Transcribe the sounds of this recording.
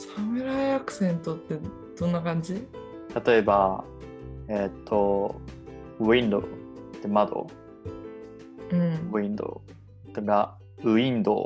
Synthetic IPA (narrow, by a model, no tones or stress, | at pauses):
samɯ̟ɾaiakɯ̟̥sẽ̞nt̪o̞t̪ːe̞ | d̪̥õ̞nːakãɲ̟d͡ʑi | t̪at̪o̞e̞ba | et̪ʰːo | ɯ̟ĩnd̪o̰t̪ːemad̪o̞̰ | ɯ̟̃ɴoĩnd̪o̰ | t̪eɡa | ɯ̟ĩnd̪o̰